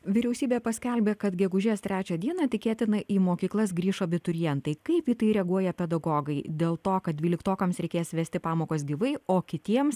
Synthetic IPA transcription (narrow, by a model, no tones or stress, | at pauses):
ʋʲɪɾʲɛʊsʲiːbʲeːpɐsʲkʲɛlʲbʲeːkɐt̪ɡʲɛɡʊʒʲeːst̪ʲɾʲæːt͡ʃʲɛd̪ʲiɛnɑt̪ʲɪkʲeːt̪ʲɪnɐʔiːmoːkʲiːklˠɐs̬ɡɾʲiːʃoɐbʲɪt̪ʊɾʲɪjɛnt̪ɐɪkɐɪpjit̪ɐɪɾʲɛɡuɔjɛpʲɛd̪ɐɡoːɡɐɪd̪ʲeːlˠt̪oːkɐt̪dʲʋʲiːlʲɪkt̪oːkɐmsɾʲɛɪkʲeːsʋʲæːsʲt̪ʲɪpɑːmoːkoːsɡʲiʋɐɪoːkʲɪt̪ʲiɛms